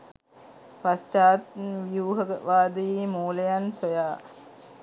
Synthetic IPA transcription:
past͡ʃaːt̪ʋjuːɦəɡəʋaːd̪iimoːlɐjansojaː

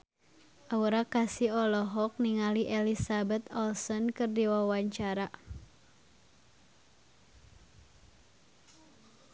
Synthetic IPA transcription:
ʔauɾakasiɔlɔɦɔk̚niŋaliʔɛlisabɛt̪ɔlsɔnkɨrdiwawaɲt͡ʃaɾa

